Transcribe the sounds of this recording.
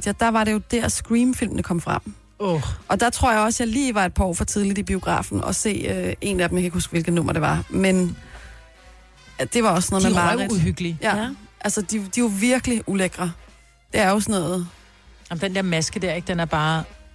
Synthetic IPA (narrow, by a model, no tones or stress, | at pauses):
jæd̥ɑ̈ʋɑ̈ɾe̝jo̝d̥æɐ̰sɡ̥ʁiːmfil̰mnəkʰɒ̽m̰fʁɑ̈m̰ | oʔɒ̽d̥ɑ̈t͡sʰʁo̝ɐ̰jɑ̈ɪɒ̽sjɑ̈ɪliːʋɑ̈e̝d̚pʰɒʊ̰fɒt͡sʰið̞ˠliib̥io̝ɡ̥ʁɑ̰ːfn̩ɒ̽se̝̰ːøe̝̰næd̥em̩jakʰeɡ̥husɡ̥ʋe̝lɡ̥ð̩ˠnɔ̽m̰ɐɾ̥e̝ʋɑ̈men | d̥e̝ʋɑ̈ɒ̽sːnɔ̽ð̩ˠmebɑuhyɡ̥lijæʔælsəd̥id̥iʋoʋiɐɡ̥əliuleɡ̥ʁɐ | d̥e̝æɐjo̝sɔnɔːð̩ˠ | jɑm̩d̥end̥eɐmæsɡ̥əd̥eɐeɡ̥d̥enæɐb̥ɑ̈ː